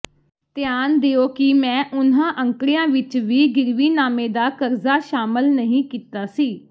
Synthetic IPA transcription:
t̪ɪjaːnd̪eoːkɪmɛ̃ːʔʊnãːʔəŋkɽijãːʋɪt͡ʃʋiːɡɪɾʋiːnaːmẽːd̪aːkəɾzaːʃaːməlnəɦĩːkiːt̪aːsiː

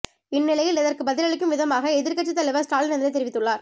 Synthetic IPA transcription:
ɪnːɪlɐjɪlɛðɐrkɯbɐðɪlɐɭɪk̬ːɯmʋɪðɐmaːɣɐɛðɪɾkɐʈːɯt̪ːɐlɪʋɐsʈaːlɪnɐnd̪ɪɾɐt̪ɛɾɪʋɪt̪ːɯɭːaːɾ

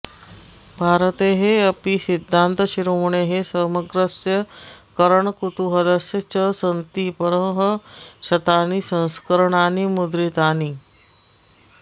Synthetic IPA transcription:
bʱaɾət̪eɦeəpisid̪ʱːant̪əɕiɾumuɳeɦesəɾməɡɾəsjəkəɾəɳkut̪uɦələsjət͡ɕəsənt̪ipəɾəɦəɕɐt̪anisə̃w̃skəɾəɳanimud̪ɾit̪ani

